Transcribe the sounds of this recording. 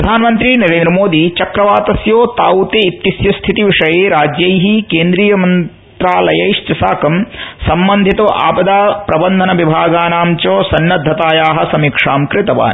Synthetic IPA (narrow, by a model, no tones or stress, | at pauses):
ɐd̪ʱaːnɐmɐnt̪ɾiːnɐɾeːnd̪ɾɐmoːd̪iːt͡ʃɐkɾɐʋaːt̪ɐsjoːt̪aːut̪eit̪ːisjɐst̪ʰit̪iʋiʂɐjeːɾaːd͡ʒjɐjɦikeːnd̪ɾiːjɐmɐn | t̪ɾaːlɐjɐjʂt͡ʃɐsaːkɐmsɐmbɐnd̪ʱit̪ɐʔa̰ːbɐd̪aːpɾɐbɐnd̪ʱɐnɐʋibʱaːɡaːnaːmt͡ʃoːsɐnːɐd̪ʱːɐt̪aːjaːɦɐ̆sɐmiːkʂaːmkɾɪt̪ɐʋa̰ːn